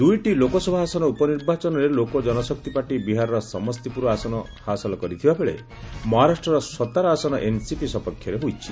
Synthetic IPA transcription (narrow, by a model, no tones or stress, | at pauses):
d̪ujʈilokɔsɔbʱaɦasɔnɔupɔniɾbat͡ʃɔnɔɾelokod͡ʒɔnɔsɔk̚t̪ipaʈibiɦaɾɔɾɔsɔmɔst̪ipuɾɔasɔnɔ | hasɔlɔkɔɾit̪ʰibabeɭḛ | mɔɦaɾasʈɾɔɾɔsɔt̪aɾɔasɔnɔʔensipisɔpɔkʰjɔɾeɦojt͡ʃʰi